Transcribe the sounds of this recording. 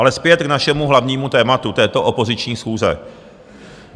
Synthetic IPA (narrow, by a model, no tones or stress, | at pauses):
alɛspjɛt̪knaʃɛmuɦlavɲiːmut̪ɛːmat̪ut̪ɛːt̪o̞ʔopo̞zɪt͡ʃɲiːsxuːzɛ̰